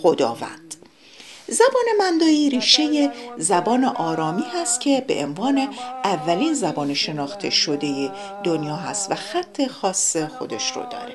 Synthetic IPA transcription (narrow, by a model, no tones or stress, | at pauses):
xo̞d̪ɒ̰ːvæ̰nd̪̥ | zæbɒːne̞mænd̪ɒːiːɾiːʃe̞je̞zæbɒːne̞ʔɒːɾɒːmiːhæst̪̚cʲʰe̞be̞̰ʔenvɒːne̞ʔævːæliːnzæbɒːneʃe̞nɒːxt̪ʰe̞̰ʃo̞d̪e̞je | d̪onjɒːɦæst̪væxæt̪ʰːe̞xɒːsːe̞xo̞d̪e̞ʃro̰d̪ɒ̰ːɾe